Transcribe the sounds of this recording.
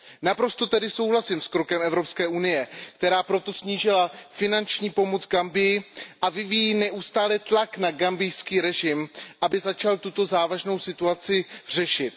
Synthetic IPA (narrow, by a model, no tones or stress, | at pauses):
napɾo̞st̪o̞t̪ɛdɪso̞wɦlasɪmskɾo̞kɛmɛvɾo̞pskɛːʔunɪjɛkt̪ɛɾaːpɾo̞t̪o̞sɲiːʒɪlafɪnant͡ʃɲiːpo̞mot͡sɡambɪjɪʔavɪvijiːnɛʔust̪aːlɛt̪laknaɡambɪjskiːɾɛʒɪmʔabɪzat͡ʃalt̪ut̪o̞zaːvaʒno̞wsɪt̪uat͡sɪr̝̥ɛʃɪt̪̚